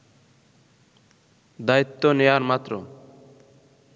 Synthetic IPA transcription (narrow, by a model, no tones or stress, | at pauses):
d̪ait̪ːoneaɾmat̪ːɾo